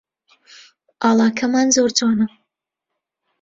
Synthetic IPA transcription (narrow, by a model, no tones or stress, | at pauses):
aːlˠɑːkʰɐmaːnzoːɾt͡sʰoːnɐ